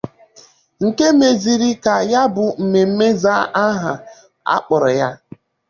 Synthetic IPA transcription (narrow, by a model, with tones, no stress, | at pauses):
ŋ̩˨ke˦me˨zi˨ɾi˦ka˨ja˦bʊ˨m̩˨me˨m̩˦me˦zaː˦ʔa˦ɦa˨ | a̰˦k͡pɔ˨ɾɔ˨ja˦